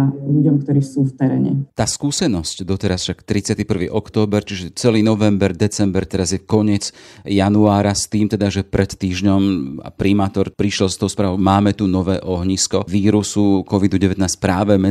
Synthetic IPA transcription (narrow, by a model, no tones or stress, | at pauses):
ʎuɟɔmkt̪ɔɾiːsuft̪ɛɾɛ̰ːɲɛ̰t̪aːskuːsɛnɔscd̪ɔt̪ɛɾasfʃakt̪ɾit͡sɪat̪ipr̩ʋiːʔɔkt̪ɔːbɛɾt͡ʃiʒɛt͡sɛliːnɔʋɛmbɛɾd̪ɛt͡sɛmbɛɾt̪ɛɾazjɛkɔɲɪɛt͡s | januaːɾast̪iːmt̪ɛd̪aʒɛpɾʔɛt̪ːiːʒɲɔma̰pɾimaːt̪ɔɾpɾiʃlɔst̪ɔʊspɾaːʋɔʊmaːmɛt̪unɔʋɛːʔɔɦɲiskɔʋiːɾusukɔʋid̪uɟɛʋɛt̪naːsc̚pɾaːʋɛmɛ